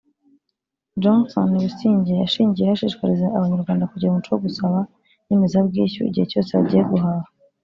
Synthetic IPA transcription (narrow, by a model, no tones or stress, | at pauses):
d͡ʒonso̰nβusiːɲɟejaʃiːɲɟijehaʃiːʃkaɾizaʔaβaɲaɾɡwaːndakuɟiɾumut͡ʃowoɡusaβa | nimizabɡiːçṵḭɟihe̞co̞ːsea̰ɟijeɡuɦaːha